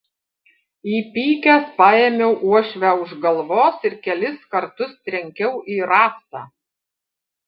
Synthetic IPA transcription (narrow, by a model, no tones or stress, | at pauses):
iːpʲiːkʲæspɑːeːmʲɛʊʔuɔʃʲʋʲæʊʒɡɐlˠʋoːsɪɾkʲɛlʲɪskɐɾt̪ʊst̪ʲɾʲɛŋʲkʲɛʊʔiːɾɑːst̪ɑ̰ː